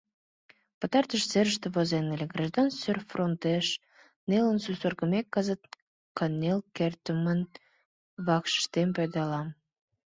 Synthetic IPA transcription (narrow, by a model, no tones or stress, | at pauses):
pət̪ɑrt̪əʃseɾəʃt̪ĕβozenelʲeɡrɑʒd̪ɑnsørfront̪eʃ | nelənsusorɣə̆mekːɑzət̪̚ | kɑnelkert̪əmən | βɑkʃə̥ʃt̪emped̪ɑlɑm